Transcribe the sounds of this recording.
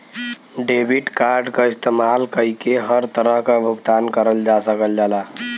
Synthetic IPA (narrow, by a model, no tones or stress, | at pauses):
ɖebʱiʈkaɾɖkaɪst̪emalkəɦikeɦəɾt̪əɾəɦkabʱʊɡt̪ankəɾəld͡ʒasəkəld͡ʒala